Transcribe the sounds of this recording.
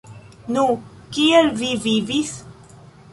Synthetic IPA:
nũ | kielvivivis

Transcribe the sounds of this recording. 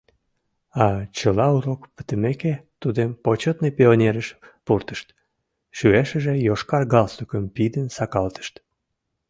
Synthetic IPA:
ɑt͡ɕəlɑuɾokpə̥t̪əmeket̪ud̪empot͡ɕot̪nepeonʲeɾəʃpurt̪ə̥ʃt̪ | ʃyeʃəʒejoʃkɑrɣɑlsukəmpid̪ənsɑkɑlt̪ə̥ʃt̪

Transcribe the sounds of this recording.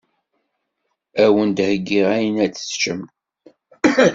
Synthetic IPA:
æwənd̪həɡːiʁæjənæt͡sːə̥st͡ʃəmt̪

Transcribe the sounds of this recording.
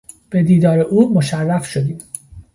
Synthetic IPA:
b̥e̞d̪iːd̪ɒːɾeʔuːmo̞ʃærːæfʃo̞d̪iːm

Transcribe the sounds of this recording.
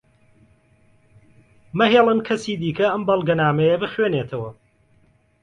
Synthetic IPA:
mɐɦeːlˠɨnkʰɐsiːd̪iːkɐɐmbɐlˠɡɐnaːmɐjɐbɨxweːneːt̪ʰɐwɐ

